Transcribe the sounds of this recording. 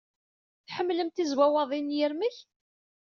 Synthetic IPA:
θħəmːləmt̪izwæwɑðˤinjəɾməç

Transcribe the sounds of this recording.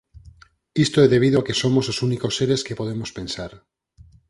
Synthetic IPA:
ist̪oeðe̞β̞iðoakesomososunikosːeɾeskepo̞ðemospe̞nsaɾ

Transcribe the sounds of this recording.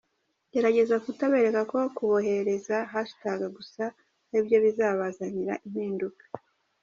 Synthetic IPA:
ɟ̥e̞ɾaɟe̞zakutaβe̞ɾe̞kako̞kuβo̞ɦe̞ɾe̞zaɦasu̥taɡaɡusa | nibjo̞βizaːβazaɲiɾaʔimhiːndukḁ

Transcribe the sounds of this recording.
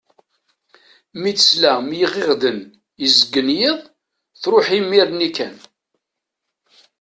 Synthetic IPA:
mit͡sːə̥slæmjəʁɪʁd̪ən | izəɡːənjeðˤ | θɾoħimiɾnikæn

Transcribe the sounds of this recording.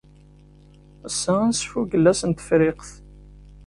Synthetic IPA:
əsæænsfuɡəlːæsənt̪ə̥fɾɪqθ

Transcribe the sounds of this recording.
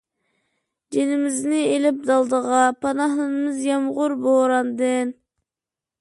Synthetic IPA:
d͡ʒ̪enɪmɪznɪelɪp̚d̪ɑlˠd̪əʁɑpʰɑnɑhnɨnɨmɪzjɑmʁʊɾboɾɑnd̪ɨn

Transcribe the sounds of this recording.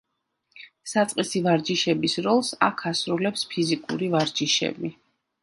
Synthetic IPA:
sat̪sʼqʼisivaɾd͡ʒiʃɛbisɾɔlˠsa̰kʰasɾulɛpspʰizikʼṵɾivaɾd͡ʒiʃɛ̰bi

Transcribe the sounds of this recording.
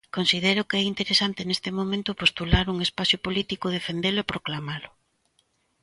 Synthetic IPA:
konsið̞ɛɾʊkɛint̪eɾesant̪enest̪emõmẽnt̪ʊpost̪ulaɾuŋespaθjʊpolit̪ikʊð̞efend̪elʊɛpɾoklamalʊ

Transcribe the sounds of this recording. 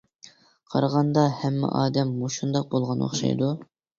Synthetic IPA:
qʰɑ̰ɾʁɑnd̪ɑhɛmːɪ̰ʔɑːd̪ɛmːoʃund̪ɑq̚bolˠʁɑno̰χʃɑ̰jd̪u

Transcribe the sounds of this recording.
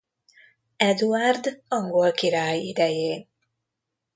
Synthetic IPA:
ɛd̪uard̪ɒŋɡolkiɾaːjid̪ɛjeːn

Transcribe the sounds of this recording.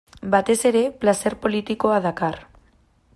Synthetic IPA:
bat̪e̞se̞ɾe̞plase̞ɾpo̞lit̪iko̞aðakar

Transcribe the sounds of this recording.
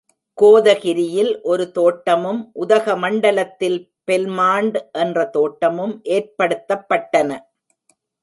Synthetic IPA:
koːðɐɣɪɾɪjɪlʔɔɾɯt̪oːʈːɐmɯmʔʊðɐɣɐmɐɳɖɐlɐt̪ːɪl | pɛlmaːɳɖʔɛndrɐt̪oːʈːɐmɯmʔeːrpɐɽɯt̪ːɐpːɐʈːɐnɐ

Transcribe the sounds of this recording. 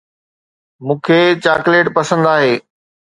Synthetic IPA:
mũːkʰeːt͡ɕaːkleːʈpɐsə̃nd̪aːɦeː

